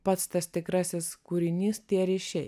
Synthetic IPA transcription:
pɐt̪st̪ɐst̪ʲɪkɾɑːsʲɛskuɾʲɪnʲiːst̪ʲiɛɾʲɪʃʲɛj

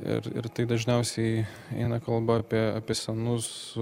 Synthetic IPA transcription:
ɪ̰ɾɪ̰ɾt̪ɐɪd̪ɐʒʲnʲɛʊsʲɛɪ | ɛ̰ɪnɐkɐlˠbɐɐpʲiɛɑːpʲiɛsʲɛnʊs

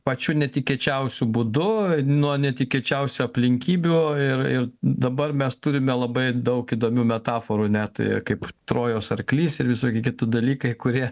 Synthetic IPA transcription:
pɐt͡ʃʲuːnʲɛt̪ʲɪkʲiɛt͡ʃʲɛʊsʲʊbʊd̪ʊnuɔnʲɛt̪ʲɪkʲiɛt͡ʃʲɛʊsʲʊɐpʲlʲɪŋʲkʲiːbʲuɪrɪrd̪ɐbɐrmʲɛst̪uɾʲɪmʲɛlˠɐbɐɪd̪ɐʊkiːd̪oːmʲuːmʲɛt̪ɑːfoːɾunʲɛt̪kɐɪpt̪ɾoːjoːsɐrklʲiːsɪɾʋʲɪsoːkʲɪkʲɪt̪ʊd̪ɐlʲiːkɐɪkʊɾʲiɛ

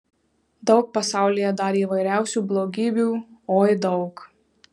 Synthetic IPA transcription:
d̪ɒʊk̚pɐsɑˑʊlʲijɛd̪ɑɾʲiːʋɐɪɾʲæˑʊsʲuːblˠoːɡʲiːbʲuːoːɪd̪ɒʊk

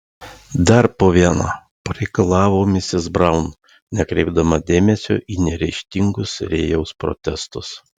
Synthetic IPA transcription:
d̪ɐɾpoːʋʲiɛnɐ̰ː | pɐɾʲɛɪkɐlˠɑːʋoːmʲɪsʲɪzbɾɐʊn | nʲɛkɾʲɛɪbd̪ɐmɐd̪ʲeːmʲɛsʲo̰ːʔiːnʲɛɾʲɛɪʃʲt̪ʲɪŋɡʊsɾʲeːjɛʊspɾɔ̰t̪ʲɛst̪ʊs

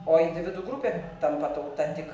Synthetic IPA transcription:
oːɪnʲd̪ʲɪʋʲɪd̪uːɡɾupʲet̪ɐmpɐt̪ɐwkt̪ɐnʲt̪ʲɪk

